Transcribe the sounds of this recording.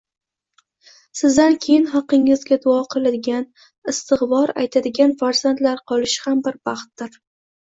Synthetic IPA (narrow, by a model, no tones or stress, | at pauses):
sɪzd̪ankʲʰe̞jɪnɦɑqːɪŋɪzɡʲad̪ʊɒqʰɨlˠad̪ɪɡʲan | ɪst̪ɨχvɒɾa̰jt̪ʰad̪ɪɡʲanfaɾzant̪laɾqʰɒlˠɪʃhambɪɾbɑχt̪̚ːɪɾ